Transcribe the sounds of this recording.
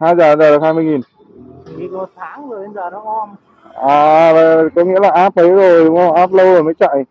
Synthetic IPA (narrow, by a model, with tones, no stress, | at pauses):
haː˧jzaː˨˩ə˧˦nzaː˨˩ɨ˨˩haː˧jmɨ˧əjŋi˨˩n | ŋi˨˩mo˨˩t̚t̪ʰaː˨˦ŋzo˨˩jə˨˧˦nzaː˨˩ɗɔ˨˦ɔ˧m | ʔaː˨˩va˧˨˩kɔ˨˦ŋḭ˧˥əlaː˨˩ʔaː˦˥p̚ʔə˨˦zo˨˩jɗʊ˨˦ŋ͡mə˧˩ʔaː˦˥p̚lə˧wzo˨˩jməː˨˦jt͡ɕa̰ː˧˨j